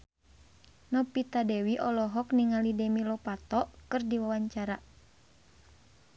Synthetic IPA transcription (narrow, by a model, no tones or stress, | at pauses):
nɔpit̪adɛwiʔɔlɔɦɔkniŋalidɛmilɔpat̪ɔkɨrdiwawaɲt͡ʃaɾa